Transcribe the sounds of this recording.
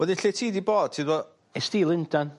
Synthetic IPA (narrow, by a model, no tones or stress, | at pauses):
wɛðiɬetʰiːdiboːd̥̚tʰidwɔ | ɛstiːlˠɪndan